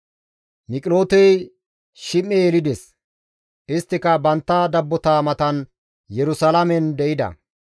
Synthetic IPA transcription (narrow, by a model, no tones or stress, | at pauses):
mɪkʼɪlo̞ːt̪ɛj | ʃɪmːejɛlɪd̪ɛs | ʔɪst̪ːɪkɐbɐnt̪ːɐd̪ɐbːɔt̪aːmɐt̪ɐn | jɛɾʊsɐlɐmɛnd̪ɛʔɪd̪ɐ̰